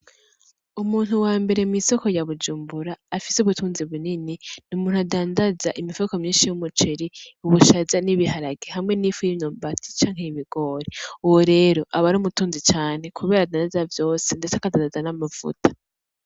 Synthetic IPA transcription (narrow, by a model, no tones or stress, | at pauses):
umuːn̥huwaːmbe̞ɾe̞miso̞ko̞jaβud͡ʒuːmbuɾaːfisuβutuːnziβunininumuːn̥uadaːndazaʔimivokomɲiːnʃijumut͡ʃeɾiuβuʃazaniβihaɾaɡehamŋe̞niːfujinombatʰi̥t͡ʃaːŋ̥eiβiɡ̥o̞ːɾeuwoɾe̞ːɾo̞ʔaβaɾumutuːnzit͡ʃaːn̥e̞kʰuβe̞ːɾadaːndazavjo̞ːse̞nde̞t͡seakadaːndazanamav̥ṵtḁ